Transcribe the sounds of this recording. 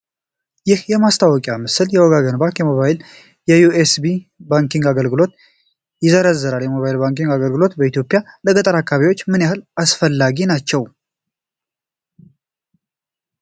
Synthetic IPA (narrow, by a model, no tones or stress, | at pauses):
jɪhjɛmast̪ʰawɔkʼjamɨsɨljɛwɔɡaɡənbaŋkjɛmo̞βajɪl | jɛjuesbibaŋkiŋɡaɡəlɡɨlo̞t̪ | jɪzəɾəzːəɾaljɛmo̞βajilbaŋkiŋɡaɡəlɡɨlo̞t̪bəit̪jo̞pʼjaləkʼət̪ʼəɾakʰːaβiwot͡ʃːmɨnjahɨlasfəlːaɡinat͡ʃːɛw